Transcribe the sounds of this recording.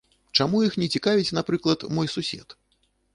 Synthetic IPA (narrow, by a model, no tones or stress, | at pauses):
t͡ʂamujixnʲɛt͡sʲikavʲit͡sʲnapɾɨklˠɐt̪mɔjsusʲɛ̰t̪